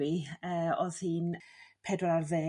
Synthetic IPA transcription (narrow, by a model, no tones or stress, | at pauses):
iəːɔð̥hiːnpʰɛdwɔarðeː